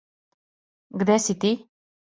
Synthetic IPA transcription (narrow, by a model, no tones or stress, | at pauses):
ɡd̪ɛsit̪i